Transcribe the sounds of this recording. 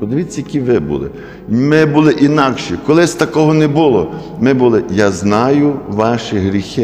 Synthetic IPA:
pɔd̪eʋʲitt͡sʲːɐjɐkʲiʋɪbṵlˠɪ̰ | mɪbulˠɪʔinɑkʃikɔlˠɪsʲt̪ɐkɔɦɔnɛbulˠɔ | mɪbʊlˠɪjaznɑjʊʋɑʃɪɦɾʲixɪ

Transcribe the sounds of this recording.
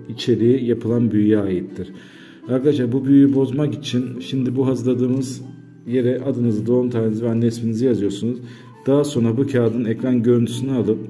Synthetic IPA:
it͡ʃʰe̞ɾijijapʰɯlˠanbyjjɛaːjit̪ʰːiɾ̥ | aɾkad̪aʃlˠaɾbubyjyjibo̞zmakit͡ʃʰinʃimd̪ibuɦazɯɾlˠad̪ɯːmɯz | je̞ɾɛʔad̪ɯnɯzɯd̪o̞unt̪ʰaːnenizivænːɛspinizijazɯjo̞ɾsunuz | d̪̥aːaso̞nɾabucʰaːd̪ɯnɛkɾanɟø̞ɾynt̪ʰy̥synɛalˠɯp̚

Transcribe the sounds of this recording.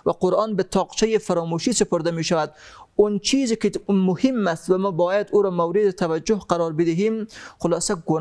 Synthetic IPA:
vaqoɾʔɑːnbɪt̪ʰɒːqt͡ʃʰajefaɾɔːmuʃiːsɪpʰoɾd̪amiːʃavæd̪ʊnt͡ʃʰiːzikɪmʊhimːast̪vamɔːbɒːjad̪uːɾɔːmawɾɪd̪et̪ʰavad͡ʒːʊhqaɾɔːɾbɪd̪ɪɦiːmxʊlɑːsaɡʊn

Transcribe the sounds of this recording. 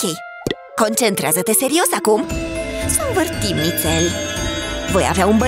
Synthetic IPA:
okʲej | ko̞nt͡ʃent̪ɾeazət̪e̞se̞ɾio̞sakumsonvərt̪imːit̪sel | vo̞ja̰veaunbə

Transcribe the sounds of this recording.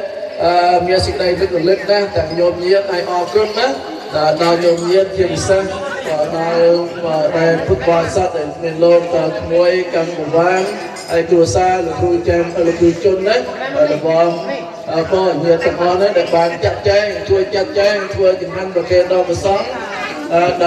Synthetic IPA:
ʔəːmiəsek̚ɗəjpʰit̪̚polɨt̪̚naht̪ăəŋɲoːpɲiət̪̚ʔajʔɑːkrʊmnah | ʔəːnaɔwɲoːmɲiət̪̚t͡ɕiəpisehː | naəɗaɛlpʰut̪̚ɓɑːsɑt̪̚ɗaɛlmiənloːk̚t̪əwt̪ʰmuəjkankɔʋaːn | haəjkɾuəsaːləpuːt͡ɕaŋʔəluput͡ɕʊ̆ənːɨh | rɔɓɑh | ʔəːpoːɲiət̪̚t̪əəŋʔɑhnɨhɗaɛlɓaːnt͡ɕap̪̚t͡ɕɛɛŋt͡ɕuəjt͡ɕat̪̚t͡ɕɛːŋt̪ʰʋəːt͡ɕumɦanpakeːt̪̚ɗɑpɔsɑʔ | aɗ

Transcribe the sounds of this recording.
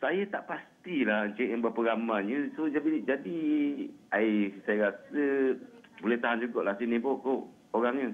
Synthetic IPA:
sajat̪aʔpast̪ilahənt͡ʃʔjaŋbapəɡamaɲəsod͡ʒabid͡ʒadi | aisajaɾasə | bulɛht̪aɦand͡ʒuɡɔʔlahsinẽbɔʔkoʔ | oɾaŋɲə

